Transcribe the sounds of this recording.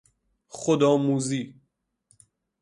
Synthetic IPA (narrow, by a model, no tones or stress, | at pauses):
χod̪ɒːmuːziː